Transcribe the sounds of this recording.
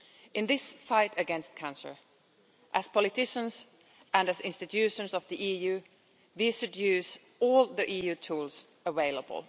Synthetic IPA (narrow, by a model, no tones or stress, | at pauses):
ʔɨ̃nðɪsfaɪɾɨɡɛ̃nst̚kʰãnsə̰˞ | ʔɨz̥pʰɑlˠɨtɪʃə̃nz | ʔə̃nɨzɪ̃nstɨtʰʉʃə̃nsʌvðiʔijʉ | ðiʃɨdjʉz | ɔlˠðiʔijʉtʰuːlˠz̥ | əveɪlə̰bə̰l̩ˠ